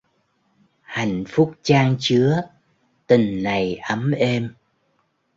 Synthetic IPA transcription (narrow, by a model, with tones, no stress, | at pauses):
ha˨˩˨jŋ̟fʊ˦˥k͡p̚t͡ɕaː˧ŋt͡ɕɨ˨˦ə | t̪ï˨˩ŋ̟na˨˩jʔə˨˦mʔe˧m